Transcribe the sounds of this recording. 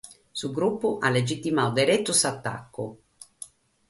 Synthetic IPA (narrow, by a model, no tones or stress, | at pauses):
suɡɾupːʊʔalːed͡ʒit̪ːimawd̪eɾɛt̪ːusat̪ːa̰kːʊ